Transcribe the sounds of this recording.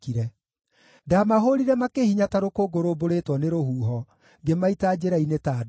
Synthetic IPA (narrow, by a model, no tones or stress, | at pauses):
kiɾɛ | damaɦoɾiɾɛmakehiɲataɾokoɡoɾoboɾetwɔneɾohuːɦɔ | ɡemaitad͡ʑeɾainetaːd